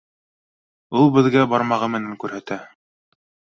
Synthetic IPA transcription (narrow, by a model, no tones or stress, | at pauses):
ulˠbɘ̆ðɡæbɑɾmɑʁɤmɘ̆næŋkʉɾhæt̪æ